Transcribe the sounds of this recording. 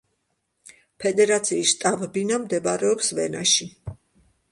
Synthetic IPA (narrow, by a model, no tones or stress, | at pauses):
pʰɛd̪ɛɾat̪sʰiːsʃt̪ʼabbinamd̪ɛbaɾɛɔpsvɛnaʃi